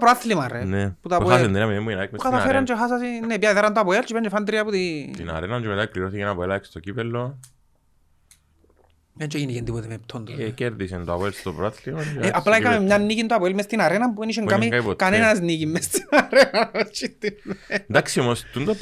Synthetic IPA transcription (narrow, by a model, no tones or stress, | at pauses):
pɾoaθlimɐreneput̪oaoasend̪ɾiɐmiðembuenaikmukɐθafeɾɐnt͡ʃexas̬ɐsinːepjaiðɐɾɐnt̪oapoelt͡ʃipɐnt͡ʃefant̪ɾiɐput̪it̪ḭna̰ɾenɐnt͡ʃemet̪akliɾoθikenapoelakst̪ocipelːo | mɐnt͡ʃeʝinicend̪ipot̪emep̚t̪ʰont̪o̰keɾðisent̪oa̰poelst̪opɾoaθlioeʔaplaikamemɲanːicint̪oapoelmest̪inaɾenɐmpueniʃeŋkamiapokːanenɐznikimːest̪inaɾenɐnɐt͡ʃit̪ind̪aksiomost̪und̪o